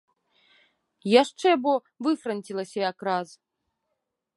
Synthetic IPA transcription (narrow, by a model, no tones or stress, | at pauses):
jaʂt͡ʂɛbɔ | vɨfrɐnʲtʲilˠɐsʲɐjakɾaz